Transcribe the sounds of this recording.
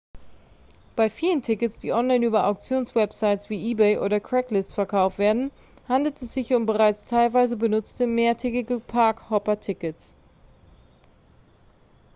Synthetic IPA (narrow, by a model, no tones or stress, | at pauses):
b̥aɪfiːləntʰɪkətsd̥iːʔɔnlaɪnyːbɐʔa̰ʊk̚t͡sjoːnsvɛpz̥aɪtsv̥iːʔiːbɛɪʔo̰ːɾɐkʁ̥ɛklɪstt͡sfɛɐkʰaʊftv̥eːɐdn̩ | handl̩tɛsz̥ɪçʊntb̥əʁaɪt͡stʰaɪlvaɪzəbənʊt͡stəmeːɐtʰɛkɪɡəpʰaɐkhɔpɐtʰɪkəts